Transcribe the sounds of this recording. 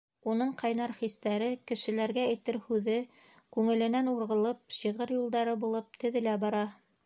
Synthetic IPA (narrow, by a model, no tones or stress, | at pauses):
unɤɴqɑjnɑɾχist̪æɾɘkɘ̆ʃɘ̆læɾɡææjt̪ɘɾhʉðɘ | kʉŋɘ̆lɘ̆nænuɾʁɤ̆lˠɤp̚ɕiʁɤɾjulˠd̪ɑɾɤbulˠɤp̚t̪ɘ̆ðɘ̆læbɑɾɑ